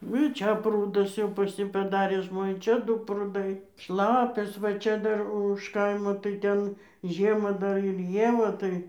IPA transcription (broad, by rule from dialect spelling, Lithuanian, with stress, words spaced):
nʊ ɪ ˈt͡ʃʲɛ ˈpruːdʊs jɛʊ pɐs ˈjiː pɐˈdɑːrʲeː ˈʒmoːnʲeː ˈt͡ʃʲɛ ˈdʊ prʊˈdɐɪ ˈʃlˠɑːpʲɛs ʋɐ ˈt͡ʃʲɛ ˈdɐr ʊʃ ˈkɐɪmoː tɐɪ ˈtʲɛn ˈʒʲiɛmɑː ˈdɐr ɪr ˈjiɛ ʋɐ ˈtɐɪ